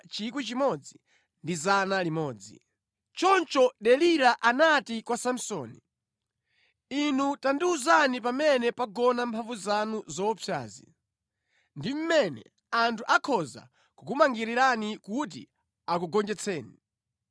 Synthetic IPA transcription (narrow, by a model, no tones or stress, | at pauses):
t͡ʃik̬wit͡ʃimɔd͡zi | ndizanalimɔːd͡zḭ | t͡ʃɔnt͡ʃɔɗɛliɾaʔanatikwasam̩sɔ̰ːni | inutandiuzanipamɛnɛpaɡɔnampʰaɱvuzanuzɔpʰja̰ːzḭ | ndim̩mɛnɛ̰ | antʰuʔakʰɔza̰ | kukumaŋɡiɾiɾanikut̬ḭ | akuɡɔnd͡ʒɛt͡sʰɛːni